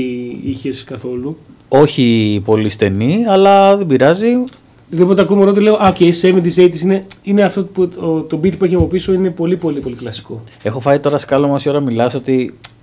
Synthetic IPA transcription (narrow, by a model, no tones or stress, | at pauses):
içeskɐθo̞lu | o̞çipo̞list̪e̞niɐlɐðebiɾɐzi | ðibo̞t̪̬eɐkumeɾot̪ile̞oʔɐcesemit̪iseit̪isine̞ineɐft̪o̞put̪o̞bit̪ipueçiɐpopiso̞ine̞po̞lipo̞lipo̞liklɐsi̥ko̞ | e̞xo̞fɐit̪o̞ɾɐskɐlomosio̞ɾɐmilɐsot̪i